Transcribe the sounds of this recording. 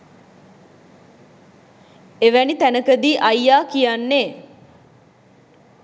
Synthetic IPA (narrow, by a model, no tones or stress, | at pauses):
eʋænit̪ænəkəd̪iːʔajːaːkijanːeː